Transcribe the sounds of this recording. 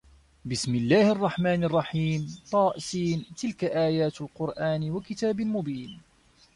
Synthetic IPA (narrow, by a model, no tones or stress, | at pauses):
bɪsmɪlːaːhɑrˤːɑħmaːnɑrˤːɑħiːmt̪ˤɑːʔsiːnt̪ɪlkaʔaːjaːt̪alqʊɾˤʔaːnwakɪt̪aːbalmʊbiːn